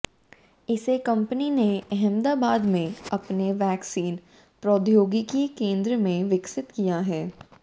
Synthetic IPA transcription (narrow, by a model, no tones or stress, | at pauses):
ɪsekɐ̃mpənineɛɦɛmd̪aːbaːd̪mẽɐpneʋɛːksiːn | pɾoːd̪joːɡikikẽːnd̪ɾəmẽʋɪksɪt̪kijaɦɛː